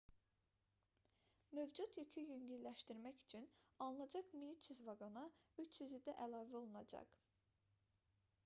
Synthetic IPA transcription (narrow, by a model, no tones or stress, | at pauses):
mø̞vd͡ʒut̪jycʰyjyɲɟynlæʃt̪iɾmæcy̥t͡ʃʰynɑlˠɯnɑd͡ʒɑkmiyt͡ʃ̪ʰyzvɑɡonɑyt͡ʃʰyzyd̪æʔælˠɑːvæo̞lˠunɑd͡ʒɑ̰q